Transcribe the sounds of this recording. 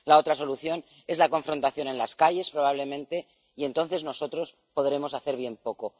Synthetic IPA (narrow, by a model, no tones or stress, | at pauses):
lao̞t̪ɾaso̞luθjo̞n | e̞zlako̞ɱfɾo̞nt̪aθjo̞ne̞nlaskaʝe̞spɾo̞β̞aβ̞le̞mẽ̞nt̪e̞ | ie̞nt̪o̞nθe̞zno̞so̞t̪ɾo̞s | po̞ðɾe̞mo̞saθe̞ɾβ̞je̞mpo̞ko̞